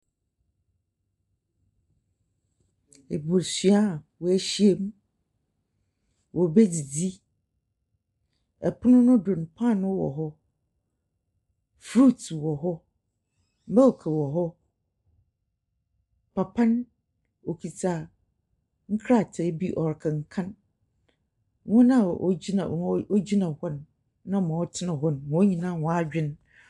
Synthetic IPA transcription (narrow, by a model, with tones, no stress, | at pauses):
e˨bo˨ɾsɥa˦˨ | wɔ˨æ˦ɕi˦e˦˨m˦ | wʔɔ˨be˦d͡zi˨d͡zi˦ | ɛ˨pʰʊ˦nʊ̃˦nʊ̃˦dʊ˨n˨pʰã˦˨nʊ̃˦wɔ̰˨ɦɔ˦ | fɾu˦˨twɔ˨ɦɔ˦ | m̩˦bɛ˦wkʰɛ˨wɔ˨ɦɔ˦ | pʰa˨pʰã˦n | o˨kʰi˨t͡saː˨ | ŋ̩˦kʰɾa˦˨tʰɛ˨˦bi˦ʔɔ˨ɾkʰa˨ŋ̩˨kʰã˦n | ŋɔ̃˦nã˦˨o̰˦d͡ʑi˦na̰˨˦o˦d͡ʑi˦nã˨hɔ˦nː | ã˦mã˨ɔ˦tʰɪ˦nã˨ɦɔ˦n˨ɔ̃˨˦ɲĩ˨nã˦˨wɔ̃˨a˦d͡ʑᶣɪ̃˦n